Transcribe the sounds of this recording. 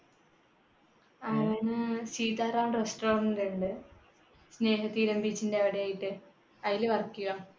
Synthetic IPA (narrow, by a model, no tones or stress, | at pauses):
ɐɐnɨsiːt̪aːraːnresʈoːrɐndiɳɖɨ | sne̞ːɦɐt̪ːiːɾɐmbit͡ɕːindeɐʋɐɽejaːjiʈːɨ | ɐðilʋɐrkːuɣaːm